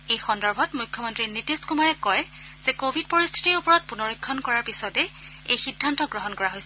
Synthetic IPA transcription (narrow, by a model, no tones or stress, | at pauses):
ejxɔndɔɹbʱɔtmujkʰːɔmɔntɹinitiskumaɹɛkɔj | z̥ɛkobʱid̚pɔɹistʰi̥tiɹupɔɹɔt̚punɔɹikʰːɔnkɔɹaɹpisɔtɛ | ejxidʱːantɔɡɹɔɦɔnkɔɹaɦojsɛ